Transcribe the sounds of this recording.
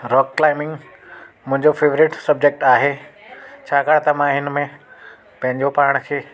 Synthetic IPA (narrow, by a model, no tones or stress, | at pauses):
ɾɔːkːlaːɪmɪ̃ŋɡ | mʊ̃ɦɪ̃ɲd͡ʑofeːʋɾɪʈsɐb̚d͡ʑeːk̚ʈaːɦeːt͡ɕʰaːkaːɽt̪ɐmãɦɪnmẽ | pɐ̃ɦɪ̃ɲd͡ʑopaːɾɽ̃̆kʰeː